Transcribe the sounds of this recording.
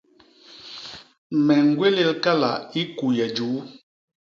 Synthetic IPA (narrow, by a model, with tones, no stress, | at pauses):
mɛ˨ŋ̩˨˦ɡwe˦le˦˨lka˦la̰˨i˦ku˨jɛ˨d͡ʒu˨˦